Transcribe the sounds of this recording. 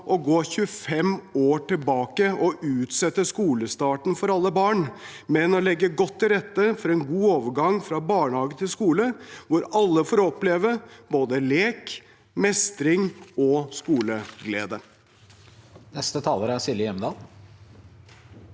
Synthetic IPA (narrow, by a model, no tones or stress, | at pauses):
ʔɔɡoːçʉəfɛmoːʈɪlbɑːkəɔʔʉːt̪sɛt̪ːəskuːləst̪ɑːʈn̩fɔɾɑlːəbɑːɳ | mɛnɔlɛɡːəɡɔt̪ʰːɪɾɛt̪ːəfɔɾɛnɡuːoːʋəɾɡɑŋfɾɑbɑːɳhɑːɡət̪ʰɪlskuːləʋʊɾɑlːəfoːɾɔpleːʋəboːd̪əleːk | mɛst̪ɾɪŋɔskuːləɡlḛːd̪ə | nɛst̪ət̪ʰɑːləɾəæsɪlɪəjɛmd̪ɑːl